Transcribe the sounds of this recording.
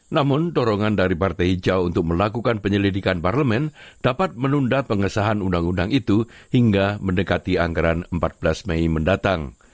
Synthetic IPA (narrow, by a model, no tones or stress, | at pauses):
namʊndoɾɔŋandaɾipart̪ajd͡ʒawunt̪ʊk̚məlakukanpəɲəlidikanparləmɛnd̥apat̪̚mənundapəŋəsaɦanundaŋundaŋit̪uhiŋɡaməndəkat̪iaŋɡaɾanəmpat̪̚b̥əlasmejməndat̪aŋ